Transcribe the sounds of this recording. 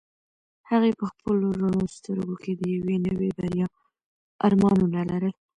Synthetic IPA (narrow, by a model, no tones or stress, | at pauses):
haɣepəxpəloɾaɳost̪əɾɡokʰed̪əjawenəwebaɾjɑ | ɑɾmɑnunalaɾəl